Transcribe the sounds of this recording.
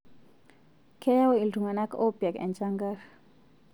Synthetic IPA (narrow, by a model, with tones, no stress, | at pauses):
kʰɛ˦ja˦wo˦i˨ltu˨ŋa˨na˦ko˦pa˨kɛ̰˨nt͡ʃaŋɡar